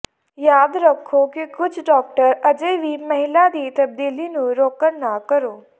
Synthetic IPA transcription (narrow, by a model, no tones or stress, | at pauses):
jaːd̪ɾəkʰːoːkikʊt͡ʃʰɖɔːk̚ʈəɾəd͡ʒeːʋiːməɦɪlaːd̪iːt̪əb̚d̪iːliːnũːɾoːkənnaːkəɾoː